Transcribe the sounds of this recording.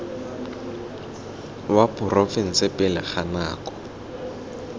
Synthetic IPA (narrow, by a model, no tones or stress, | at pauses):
wapʰʼʊrofɪn̩sɪpʼɪlɛχana̰ːkʼɔ̥